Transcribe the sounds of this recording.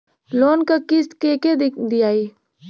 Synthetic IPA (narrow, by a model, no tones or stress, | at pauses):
loːnkakɪskeːked̪ijaːi